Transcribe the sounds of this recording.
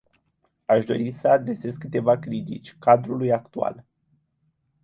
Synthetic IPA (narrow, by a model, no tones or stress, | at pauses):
aʃd̪o̞̰ɾisəad̪ɾe̞se̞zkːɨt̪e̞vakɾit̪ḭt͡ʃʲkad̪ɾulujak̚t̪ua̰l